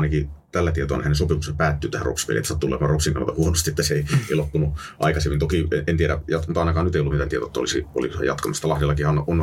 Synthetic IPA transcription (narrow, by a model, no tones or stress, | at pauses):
nɑkit̪ælːæt̪iet̪o̰ɑnehænesopimuseppæːt̪ːyːt̪æhæ̰ro̰pskḛlḭḛt̪ːæsɑt̪ːulːḛmɑːropsiŋkɑnɑt̪ɑhuonost̪iet̪ːæseeieilopːunuʔɑ̰ikɑsemːint̪okieʔent̪ieɾæ̰jɑt̪mut̪ɑˑinɑkɑːnnyt̪eijolːt̪mit̪ænt̪iet̪oˑet̪ːæo̰lisḭo̰lḭkosḛjɑ̰t̪kɑmist̪ɑlɑhjelːɑkihɑnʔon